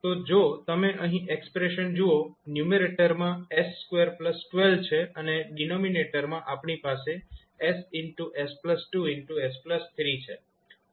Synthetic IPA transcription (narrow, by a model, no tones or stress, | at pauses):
t̪od͡ʒot̪əmeʔəɦĩʔekspɾeʃənd͡ʒuonjumeɾeʈəɾmãesːkweəɾpləsʈʋelt͡ʃʰeʔəneɖinomineʈəɾmãʔapɳipase | esɪɳʈuʔespləsʈuɪɳʈuespləst̪ʰɾit͡ʃʰe